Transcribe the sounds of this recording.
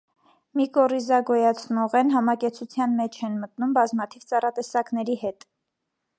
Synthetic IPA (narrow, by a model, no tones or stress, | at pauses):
mikɔrizɑɡɔjɑt͡sʰnɔʁɛnɦɑmɑkɛɾt͡sʰut͡sʰjɑnmɛt͡ʃʰɛnmət̪numbɑzmɑt̪ʰivt͡sɑrɑt̪ɛsɑkn̪ɛɾihɛt̪